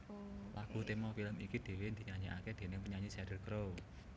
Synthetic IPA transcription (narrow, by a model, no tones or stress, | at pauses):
laɡ̥ṳt̪emɔfiləmikid̪̥e̤wend̪̥i̤ɲaɲiʔa̰ked̪̥e̤nɪŋpəɲaɲisadərkɾow